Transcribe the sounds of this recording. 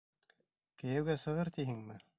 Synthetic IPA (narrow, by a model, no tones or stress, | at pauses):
kɘ̆jæwɡæsɤ̆ʁɤɾt̪iɦɘŋmɘ